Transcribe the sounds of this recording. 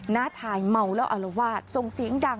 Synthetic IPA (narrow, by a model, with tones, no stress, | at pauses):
naː˦˥˩t͡ɕʰaː˧jma˧wlɛː˦˥wʔa˧˩la˧waː˥˩t̪̚so˧ŋsi˨˩˦əŋda˧ŋ